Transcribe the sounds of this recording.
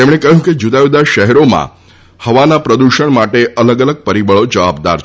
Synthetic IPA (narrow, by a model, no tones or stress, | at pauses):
t̪emɽ̃ekəɦjũked͡ʒud̪aud̪aʃəɦɛɾomã̰ | həʋanapɾəd̪uʃəɳmaʈeʔələɡələɡ̚pəɾibəɭod͡ʒəʋabd̪a̰ɾ